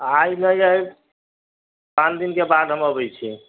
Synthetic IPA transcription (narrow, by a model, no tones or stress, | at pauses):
ajnəjəj | pãnd̪inkebad̪ɦəməbɛjt͡ʃʰi